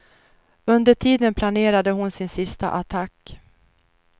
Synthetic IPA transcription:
ɵnd̪əʈʰiːd̪ənpʰlaneːɾad̪əɦʊnsɪnsɪst̪a̰ʔat̪ʰakː

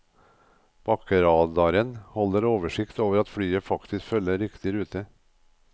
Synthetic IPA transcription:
b̥ɑkəɾɑːd̪ɑɾənhɔləɾoːʋəʂɪkt̪oːʋəɾɑt̪fɽyːəfɑkt̪ɪskfœlːəɾɪkt̪ɪɾʉːt̪ə

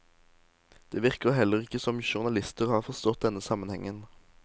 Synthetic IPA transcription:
d̪̥eːʋɪʁkəʁɦɛlːəʁɪkːəsɔmʃʊʁnɑlɪst̪əʁhɑːʁfɔʁst̪ɔt̪̚d̪ɛnːəsɑmənhɛŋən

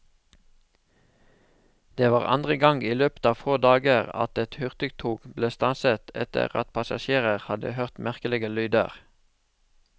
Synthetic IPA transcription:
d̪̥eːʋɑːʁɑ̰nd̪ʁəɡɑŋɡiːløːpə̥t̪ɑːfoːd̪ɑːɡəʁɑ̰t̪ɛt̪hʉʁt̪ʏɡt̪ʰuːɡbleːst̪ɑnsət̪ʰɛt̪ə̰ʁɑ̰t̪̚pʰɑsɑʃeːʁəʁhɑd̪ə̰høʁt̪mæʁkəlɪɡəlyːd̪ə̰ʁ

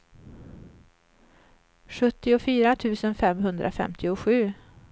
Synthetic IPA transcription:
ɧɵt̪ːɪʊfyːɾat̪ʰʉ̟ːsənfɛmɦɵnd̪ɾʔa̰fɛ̰mt̪ʰɪʊɧʉ̟ː

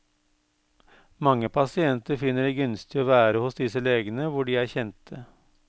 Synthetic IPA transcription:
mɑŋːəpʰɑsɪɛnt̪əɾfɪnːəɖeːɡʉnst̪ɪoːʋæːɾəhʊsd̪ɪsəleːɡənəʋʊɖiːæːɾçɛnt̪ʰə

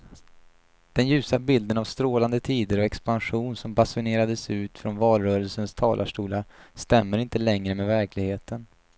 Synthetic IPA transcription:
d̪̥ɛnjʉ̟ːsabɪld̪ənavst̪ɾoːland̪ət̪ʰiːd̪əɾɔɛkspanɧuːnsɔmbasʊneːɾad̪əsʉ̟ːt̪fɾɔnvɑːlɾœːɾəlsənst̪ʰɑ̰ːlʔaʂʈuːlast̪ɛmːəɾɪnt̪əlɛŋɾəmɛːvæɾkʰlɪɡheːt̪ʰən

